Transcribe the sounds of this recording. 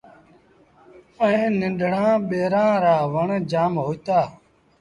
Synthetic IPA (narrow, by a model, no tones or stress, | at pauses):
əẽːnɪ̃nɖʱɽ̤ãːɓeːɾãːɾaːʋəɳd͡ʒaːmɦoːit̪aː